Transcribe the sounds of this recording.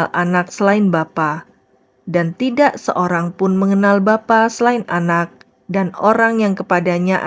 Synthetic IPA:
lʔanak̚səlaɪnbapa | dant̪idaʔsə̰ʔoɾaŋpʊnməŋənalbapasəlaɪnanak̚ | danoɾaŋjaŋkəpadaɲaʔa

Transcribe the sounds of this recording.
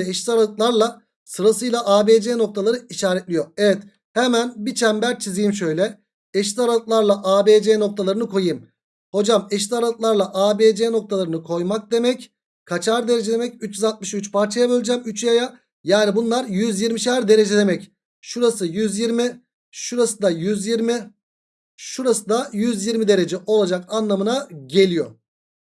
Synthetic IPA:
ɛʃt̪aɾalɯt̪lˠaɾlˠa | sɯɾasɯjlˠaʔaːbeːd͡ʒeno̞k̚t̪ʰalˠaɾɯiʃaːɾɛt̪lʲijo̞evɛt̪ | hemænbit͡ʃʰɛmbæɾt͡ʃʰizijimʃø̞jlʲɛ | ɛʃt̪aɾalɯt̪lˠaɾlˠaʔaːbeːd͡ʒeno̞k̚t̪ʰalˠaɾɯnɯkʰo̞jɯm | ho̞d͡ʒamɛʃt̪aɾalɯt̪lˠaɾlˠaʔaːbed͡ʒeno̞k̚t̪ʰalˠaɾɯnɯkʰo̞jmak̚d̪e̞mɛc | kʰat͡ʃʰaɾd̪eɾe̞d͡ʒɛd̪e̞mɛcyt͡ʃjyzalˠt̪̚mɯʃyt͡ʃpʰaɾt͡ʃʰajabølʲd͡ʒɛmyt͡ʃʰjaja | jaːnibunlˠaɾjyzjiɾmiʃæɾd̪e̞ɾe̞d͡ʒɛd̪e̞mɛc | ʃuɾasɯjyzjiɾmi | ʃuɾasɯd̪ajyzjiɾmi | ʃuɾasɯd̪ajyzjiɾmid̪e̞ɾe̞d͡ʒɛʔo̞lˠad͡ʒakanlˠamɯnaɟe̞lʲijo̞

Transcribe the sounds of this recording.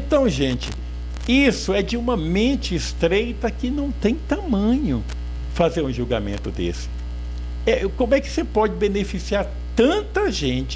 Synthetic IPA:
ẽnt̪ɐ̃w̃ʒẽt͡ʃɪ̰ | isʊɛd͡ʒɪũmɐmẽt͡ʃɪːst̪ɾejt̪ɐkɪnɐ̃w̃t̪ẽj̃t̪amɐ̃ɲʊ | fazeɾũʒuɡamḛ̃nt̪ʊd̪ḛsɪ̥ | ɛkõmʊɛkɪ̥sepɔd͡ʒɪbenefisiaɾ | t̪ɐ̃nt̪ɐʒẽt͡ʃɪ̥

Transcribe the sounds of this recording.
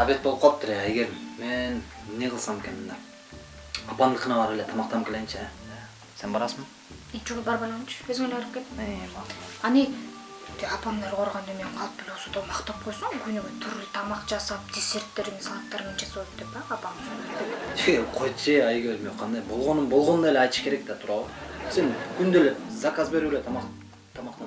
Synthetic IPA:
abet̪̚ːbolˠp̚qɑlˠpt̪ʰːʊɾeeɡeɾmenneʁʰlˠsɑmkʲenɪnd̪a | ɑpand̪ɨqʰənɑbɑɾelʲet̪ʰɑmɑq̚t̪ɑmkʰʲelɡent͡ʃʰe | senbɑɾɑsmn | et͡ʃʰuʁulˠbɑɾbɑlˠɑnumt͡ʃʰøzŋeleɑɾɯp̚kʲet̪t̪ | ɑni | t̪eɑpamnɑɾʁʰoɾʁɑnd̪emeɴqʰɑlˠp̪̚elosod̪omɑqt̪ɑp̚qʰojsoŋɡynyɡyt̪ʰyɾlyt̪ʰɑmɑqd͡ʒɑsɑp̚d̪ʲisert̪ːeɾimsɑlˠɑt̪ːɑɾment͡ʃʰesolˠpd̪epɑːpamsooeɡeɾqʰoj̪t͡ʃeɑjɡʲeɾmoqʰɑnd̪ɑjbo̞lˠʁonumbo̞lˠʁonnelʲeɑjt̪ɯ̥ʃkeɾek̚t̪at̪ʰuɾɑlˠsenkʰynd̪elepzakazbe̞ɾyːlet̪ʰmɑ | t̪ʰɑmɑqt̪ɑ

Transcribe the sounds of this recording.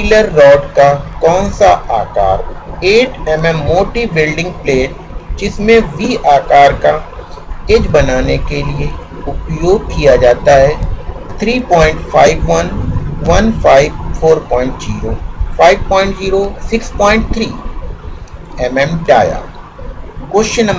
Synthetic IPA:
iləɾːɔːɖkakɔ̃ːnsaʔaːka̰ːɾeːʈɛmɛmːoːʈibɪlɖɪ̃ŋɡ̚pleːʈ̚ | d͡ʒɪsmẽʋiːʔaːkaːɾka | ed͡ʒbɐnaːnekelie | ʊpjoːɡ̚kijad͡ʒaːt̪aɦɛt̪ʰɾiːpɔːɪ̃ɳʈfʰaːɪʋʋɐnʋɐnpʰaːɪʋfʰoːɾpɔ̃ːɪ̃ɳʈziːɾoːfʰaːɪʋpɔ̃ːɪ̃ɳʈziːɾosɪkspɔːɪ̃ɳʈ̚t̪ʰɾiː | ɛmɛmʈa̰ːja̰ː | kʊʃnɐ

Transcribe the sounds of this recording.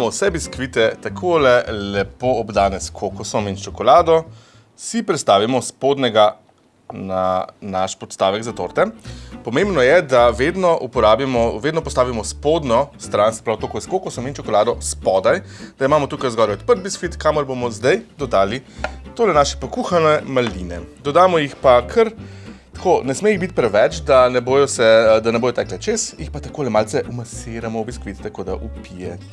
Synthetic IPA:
amɔwsɛbiskʋit̪ɛt̪akʰolɛlɛpoɔbd̪aːnɛskʰokɔsɔmint͡ʃɔkɔlaːd̪ɔ | sipɾɛt̪st̪aːʋimɔspod̪nɛɡa | nanaʃpɔt̪st̪aːʋɛɡzat̪o̰ɾt̪ɛmpɔmẽmbnɔjɛd̪aʋed̪nɔʔupɔɾaːbimɔʋeːd̪nɔpɔst̪aːʋimɔspod̪nɔst̪ɾansɛ̥pɾawt̪okoskokɔsɔmint͡ʃɔkɔlaːd̪ɔspɔd̪ajd̪aimaːmɔt̪uːkajzɡɔɾɛɛt̪̚pəɾt̪̚biskʋit̪kaːməɾbomɔzd̪ɐjd̪ɔd̪aːlit̪oːlɛnaːʃɛ̥pɔkuːxanɛmalinɛ̰d̪ɔd̪aːmɔjixpakʰəɾt̪ḁkonɛsmeiɣbit̪̚ʲpɾɛʋɛt͡ʃd̪anɛboːjɔsɛd̪anɛboːjɔt̪ɛklɛt͡ʃesjixpat̪akoːlɛmaːltsɛʔumaseɾamɔbiskʋit̪t̪akod̪a̰ʔupijɛ̰

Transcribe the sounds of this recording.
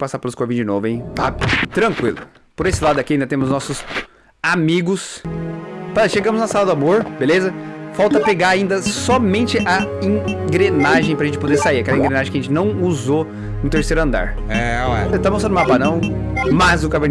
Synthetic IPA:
pasapelʊskoɾvẽd͡ʒɪnovʊẽj̃tabɪt̪ɾɐ̃ŋkwilʊ | poɾesɪlad̪ʊɐkiaĩd̪ɐt̪ẽmʊznɔsʊs | amiɡʊs | paʃeɡɐ̃mʊznɐsalɐd̪ʊamoɾbelezɐfawt̪ɐpeɡaɾaĩnd̪ɐsɔmẽnt͡ʃɪʔɐẽɡɾenaʒẽj̃pɾɐʒẽnt͡ʃɪpod̪eɾsaiɾɐkɛlɐĩɡɾenaʒẽkɐʒẽnt͡ʃɪnɐ̃w̃uzo | nũt̪eɾsejɾʊɐ̃nd̪a̰ɾ | ɛɛ̰t̪amõsɐ̃nʊmapanɐ̃w̃ | mazʊ̃kaveɾ

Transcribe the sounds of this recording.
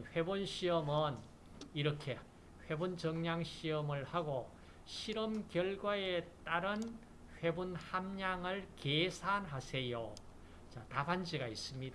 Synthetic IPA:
nɸe̞bonɕʰiʌmɯn | iɾʌkʰe̞ | ɸwe̞bunt͡ɕʌŋɲaŋɕʰiʌmɯɭhaɡo | ɕʰiɾʌmkjʌɭɡwaet͈aɾɯn | ɸwe̞bunhamɲaŋɯɭkesʰanɦasʰe̞jo | t͡ɕat̪aband͡ʑiɡais͈ɯmɲida

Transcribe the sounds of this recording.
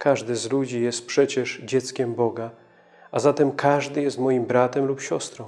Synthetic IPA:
kʰaʐd̪ɘzlud͡ʑijɛst̪̚pʂɛt͡ɕɛʐd͡ʑɛt̪skʲɛmbɔɡa | ʔazat̪ɛmkʰaʐd̪ɘjɛst̪mɔjimbɾat̪ɛmlupɕɔst̪ɾɔ̃w̃

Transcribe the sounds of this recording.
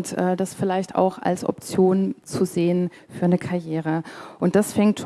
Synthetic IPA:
tʔɛːdasfɪlaɪçta̰ʊxa̰lsʔɔ̰p̚t͡sjoːnt͡suzeːən | fyːɐnəkʰaɐjeːʁ̞əʔʊnt̚d̥asfɛŋt

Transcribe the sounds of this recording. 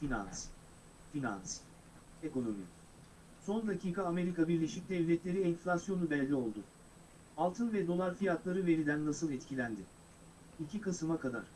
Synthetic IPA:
fina̰ns | fina̰ns | eko̞no̞mḭ | so̞nd̪acʰiːkʰaːme̞ɾikabiɾlʲe̞ʃic̚ʲd̪ɛvlʲɛt̪lʲe̞ɾiɛnflʲasjo̞nubɛlʲːio̞lˠd̪ʊ | alˠt̪ʰɯnvɛd̪o̞lˠaɾfijat̪lˠaɾɯve̞ɾid̪ænːasɯlˠɛt̪cʰilʲænd̪ɪ | icʰikasɯmakʰad̪a̰ɾ̥

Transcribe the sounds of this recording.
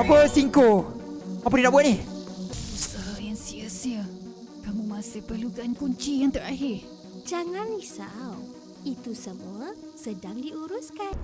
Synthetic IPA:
apəsiŋko | ap̬əntinaʔbuat̪̚nih | usəɦjaŋsiəsiə | kamũmãsɪhpərlukankuɲt͡ʃijanŋt̪əɾaɦɪr | d͡ʒaŋanisaw | it̪usəmuə | sədaŋdiuɾuskan

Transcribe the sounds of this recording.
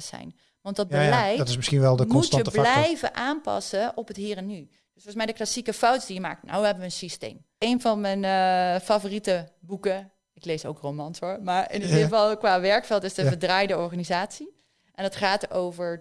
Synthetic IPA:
sɛ̰jn | ʋɑndɑd̚bəlɛjtɪsmɪsχinʋɛlˠdəmuəbllɛjvə̰ʔaːmpɑ̰səʔɔpɦətɦiːrɛnːy | d̥øsfɔːnsmɛjdəklasikəfɔwtsdijəma̰ːk̚tno̰wʋəɦɛbəʋəːnsistḛjm | ejnvɑnmɛnfavoritəbukə | ɪklejso̰wkromɑnsoɹmaːɹɪ̰ndilvɑlˠkʋaːʋɛɹkfɛlˠtɪsdəvəɹdraːjdəɔɹχaːnizaːtsi | ʔɛndɑtχaːtəɹowvəɹ

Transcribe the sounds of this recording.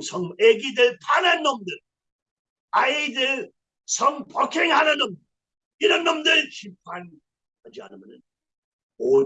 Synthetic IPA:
sʰʌŋeɡidɯɭtananːʌmdɯɭ | aidɯɭ | sʰʌŋpʌkʰeŋhananʌmdɯ | iɾʌnːʌmdɯɭt͡ɕip̚ʰan | ad͡ʑia̰nɯmjʌnɯn | o

